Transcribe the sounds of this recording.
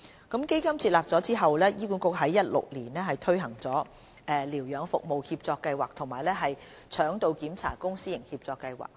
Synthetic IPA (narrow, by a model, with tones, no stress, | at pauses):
kɐ˨˥mke˥jkɐ˥mt͡sʰiː˧t̚laː˨p̚t͡sɔː˨˥t͡siː˥ɦɐ˨wlɛː˥jiː˥puː˨˥nkʊ˧˥k̚ɦɐ˨˥jːɐ˥t̚lʊ̰˨k̚liː˨˩nlɛː˥ɦɐ˨jt̪ʰɵ˥ɥɦɐ˨˩ŋt͡sɔː˨˥ | ʔɛː˨liː˨˩wjœː˨˧ŋfʊ̰˨k̚mo˨whiː˧p̚t͡sɔː˧kːɐ˧jwaː˨k̚t̪ʰʊ˨˩ŋmaː˨˩jlɛː˥ɦɐ˨j | t͡ʃʰœː˨˥ŋt̪o˧wkiː˨˥mt͡sʰa̰ː˨˩kʊ˥ŋsiː˥jɪ˨˩ŋhiː˧p̚t͡sɔː˧kːɐ˧jwa̰ː˨k̚